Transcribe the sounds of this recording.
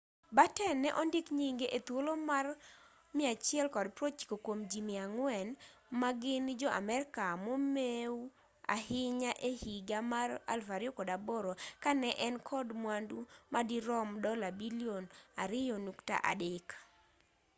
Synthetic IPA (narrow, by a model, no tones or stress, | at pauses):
batɛnːɛʔɔndɪkɲiŋɡeʔet̪wolomar | mɪat͡ʃɪɛlkɔdpɾot͡ʃi̥kokwomd͡ʒimiaŋwɛnmaɡɪnd͡ʒɔʔa̰mɛɾɪkamomeu | a̰hɪɲaʔehiɡamara̰lfaɾjokɔdaboɾokanɛʔɛnkʰɔdmwandumadiɾɔmdɔlabilionaɾɪjɔnukta̰ʔa̰dɪk